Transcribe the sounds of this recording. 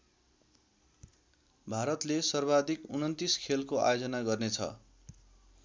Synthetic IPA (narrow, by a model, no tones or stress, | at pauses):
bʱaɾʌt̪lesʌrbad̪ikunʌnt̪iskʰelkoa̰jod͡zʌnaɡʌrnet͡sʰʌ̰